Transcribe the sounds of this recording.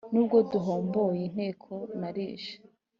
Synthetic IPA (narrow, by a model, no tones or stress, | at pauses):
nuːb̚ɡo̞duɦoːmboːjen̥heːkʰonaɾiːʃḁ